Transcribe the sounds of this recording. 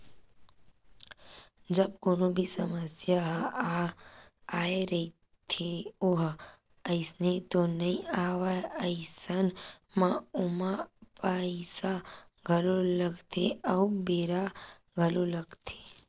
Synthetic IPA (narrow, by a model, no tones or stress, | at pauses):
d͡ʒəb̚konõbʱisəməsjaɦaː | eɾəi | t̪ʰeoɦ | əisnet̪onəĩaʋaəɪisən | mãumapaisa | ɡʱəloləɡʱt̪ʰeəubeːɾa | ɡʱəloləɡt̪ʰe̥